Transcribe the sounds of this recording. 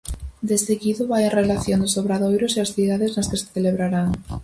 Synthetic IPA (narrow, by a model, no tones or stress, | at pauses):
d̪eseɣiðʊβajenrelaθjond̪ʊsoβɾaðojɾʊseasθiðaðeznaskese̥θeleβɾaɾaŋ